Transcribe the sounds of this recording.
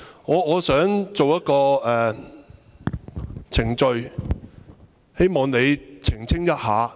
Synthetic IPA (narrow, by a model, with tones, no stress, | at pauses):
ŋɔː˨˧ŋɔː˨˧sœː˨˥ŋt͡so˨wjɐ˥t̚kɔː˧ʔɛː˨˩ | t͡sʰɪ˨˩ŋt͡ʃɵ˨˧ɥ | he˥jmɔː˨ŋne˨˧jt͡sʰɪ˨˩ŋt͡sʰɪ˥ŋjɐ˥t̚haː˨˧